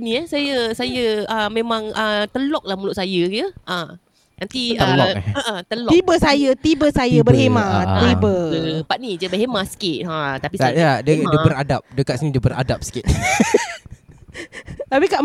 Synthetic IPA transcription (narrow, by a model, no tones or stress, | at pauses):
niəsajəsajəəmẽmãŋət̪əlɔk̚lahmulʊʔ̚sajəjəʔə | nant̪iəlɔəʔət̪əlɔt̪ibəsajət̪ibəsajəbəhemaibəəpaʔ̚nid͡ʒəbəɦemasə̥kɪʔ̪̚ɦət̪apiajadədəbəɾadap̚dəkat̪̚sənidəbəɾa̰dap̚sə̥kɪt̪̚ | abikaʔ